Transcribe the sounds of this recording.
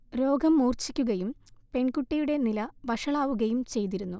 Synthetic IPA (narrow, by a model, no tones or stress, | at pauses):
ɾo̞ːɡɐmːuːrt͡ɕikʲːuɣɐjumpe̞ɳkuʈːijuɽe̞nilɐʋɐʂɐɭaːʋuɣɐjumt͡ɕe̞jt̪iɾunːu